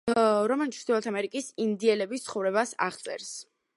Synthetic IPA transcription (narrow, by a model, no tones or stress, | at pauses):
ɾɔmɛlit̪sʰd̪ilat̪ʰamɛɾikʼisind̪iɛlɛbist̪sʰχɔvɾɛbasa̰ʁt̪sʼɛ̰ɾs